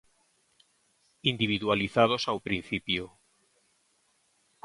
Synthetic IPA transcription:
ind̪iβ̞iðwaliθað̞o̞sawpɾin̟θipjo

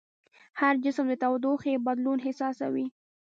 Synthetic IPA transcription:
haɾd͡ʒɪsmd̪ət̪awd̪uxebad̪lunɦɪsɑsa̰wi

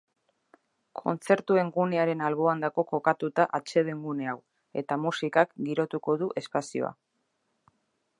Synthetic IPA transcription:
kʰo̞̰nt͡se̞ɾt̪ue̞ŋɡune̞aɾe̞nalβo̞and̪ako̞ko̞kat̪ut̪aʔat͡ʃe̞ðe̞ŋɡune̞aw | e̞̰t̪amusikakɡiɾo̞t̪uko̞ðuʔe̞spasio̞̰a̰

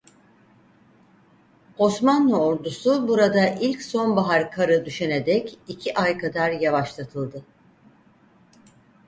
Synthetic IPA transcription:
o̞smanlˠuoɾd̪usubuɾad̪aʔilʲcso̞nbaɦaɾkʰaɾɯd̪yʃened̪ɛcicʰiʔajkʰad̪aɾjavaʃlˠat̪ʰɯlˠd̪ɯ

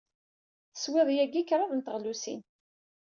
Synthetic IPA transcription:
θə̥swɪðˤjæɡikɾˤɑðˤnt̪əʁlusḭn

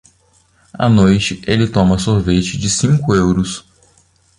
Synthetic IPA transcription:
ɐ̰nojt͡ʃɪʔelɪt̪õmɐsoɾvet͡ʃɪd͡ʒɪsĩŋkʊewɾʊs

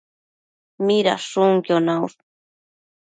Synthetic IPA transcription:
miɾa̰ʂuŋkjonaws

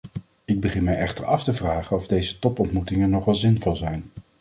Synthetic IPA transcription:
ɪɡ̚bəχɪnmɛjɛχtəɹɑftəvraːχənɔvdejzətɔpɔntmutɪŋənːɔχʋɛlˠzɪnvɔlˠzɛjn

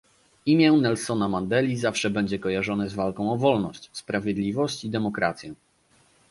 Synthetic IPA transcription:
imʲjɛnɛlsɔnamand̪ɛlʲizafʂɛbɛɲd͡ʑɛkɔjaʐɔnɛzvalkɔ̃w̃ɔvɔlnɔɕt͡ɕspɾavʲjɛd̪lʲivɔɕt͡ɕid̪ɛmɔkɾa̰t̪sʲjɛ

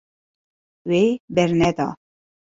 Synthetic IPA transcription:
webɛɾnɛd̪ɑ̰ː

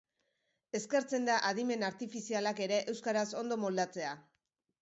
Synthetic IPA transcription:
e̞ske̞ɾt͡se̞nd̪aʔaðime̞naɾt̪ifisialake̞ɾe̞ʔe̞wskaɾaso̞nd̪o̞mo̞ld̪at͡se̞a

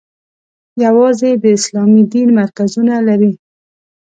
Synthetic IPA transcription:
jawɑzed̪əɪslɑmid̪inmaɾkazunalaɾi

